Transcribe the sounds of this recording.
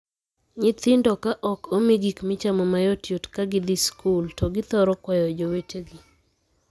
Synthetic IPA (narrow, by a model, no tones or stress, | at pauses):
ɲɪt̪ɪndɔkaʔɔkomiɡikmɪt͡ʃamɔmajɔtjotkaɡɪd̪ɪskʰultɔɡɪt̪ɔɾɔkwajɔd͡ʒoweteɡi